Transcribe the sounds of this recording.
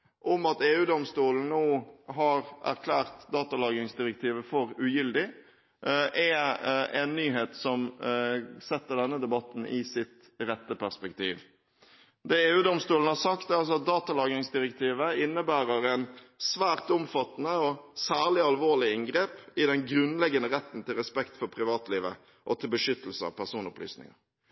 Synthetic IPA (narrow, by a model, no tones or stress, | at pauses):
ʔɔmɑt̪eːʉːd̪ɔmst̪uːln̩noːɦɑɾʔæ̰ɾkʰlæːʁt̪d̪ɑːt̪ɑlɑːɡəɪŋsd̪ɪɾɛk̚t̪ʰiːʋəfɔɾʉjʏld̪ɪ | ʔɛɛnːyːɦeːt̪sɔm | sɛt̪ːəɖ̪ɛnːəd̪ɛbɑt̪ːn̩ɪsɪt̪ | ɾɛt̪ːəpæspɛkt̪ʰḭːʋ | d̪ɛeːʉːd̪ɔmst̪uːln̩əhɑɾsɑkt̪ɑls̬ɔɑt̪̚d̪ɑːt̪ɑlɑːɡɾɪŋsd̪ɪɾɛkt̪ʰiːʋəɪnːəbæːɾəɾɛnsʋæːʁt̪ʊmfɑt̪ːnəɔsæːʁlɪɑlʋoːlɪɪŋɡɾeːpɪd̪ɛŋɡɾʉnlɛɡːənəʁɛt̪ːn̩t̪ɪlʁɛspɛkt̪fɔɾpʰɾɪʋɑːt̪liːʋə̰ | ʔɔt̪ʰɪlbəʂʏt̪ːəlsəɑ̰ʋpʰæʁsuːnɔ̰pʰly̰ːsnɪ̰ŋə̰